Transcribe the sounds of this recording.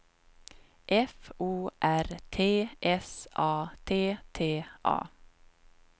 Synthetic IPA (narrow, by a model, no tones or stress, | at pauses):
ʔɛfuːʔæɾt̪ʰeːʔɛsʔɑːt̪ʰeːt̪ʰeːʔɑ̰ː